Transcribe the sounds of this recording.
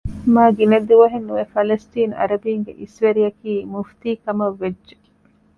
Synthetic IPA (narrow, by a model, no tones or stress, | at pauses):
maːɡinɐd̪uʋɐɦenːuʋefɐlɐst̪iːnɐ̰ɾɐd̪iːŋɡḛʔisʋɐɾijɐkiːmuft̪iːkɐmɐʋːed͡ʒd͡ʒe̥